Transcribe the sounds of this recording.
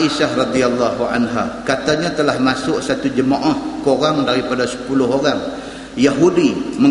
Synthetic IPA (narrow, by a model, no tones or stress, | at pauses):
iʃahrɑd̪ialːaɦuʕa̰nɦakat̪aɲat̪əlahmasʊʔsat̪ud͡ʒəmaʔahkoɾaŋdaɾipadasə̥pulʊɦoɾaŋ | jaɦudimə